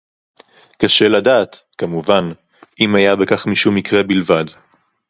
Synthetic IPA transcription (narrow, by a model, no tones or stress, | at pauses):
kaʃe̞ladaːt̪kamuvan | ʔimajabekaχmiʃumikʁe̞bilvad